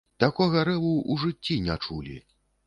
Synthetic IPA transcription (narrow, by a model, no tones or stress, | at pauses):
t̪akɔɣɐɾɛlˠuʔuʐɨt͡sʲːinʲat͡ʂulʲḭ